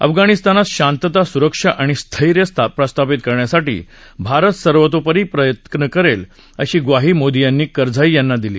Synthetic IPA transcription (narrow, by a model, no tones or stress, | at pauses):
ə̰fɡaɽ̃ist̪anat̪ɕant̪ət̪asuɾəkʂaʔaɽ̃ist̪ʰəiɾjəst̪ʰapɾəst̪apit̪kəɾɳjasaʈḭːbʱaɾət̪səɾʋət̪̬opəɾiːpɾəjət̪nəkəɾel | əɕiːɡʋaɦiːmod̪ijanːiːkəɾd͡zʱaijanːad̪ilḭː